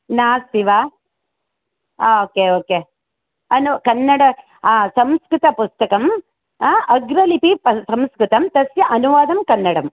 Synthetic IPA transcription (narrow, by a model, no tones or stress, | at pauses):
naːsiʋaː | oːkeːoːkeː | ɐnukɐnːɐɽɐ | aːsɐmskɾut̪ɐpust̪ɐkɐmː | ʔɐɡɾɐlipipɐsɐmskɾut̪ɐmt̪ɐsjɐʔɐnuʋaːd̪ɐmkɐnːɐɽɐm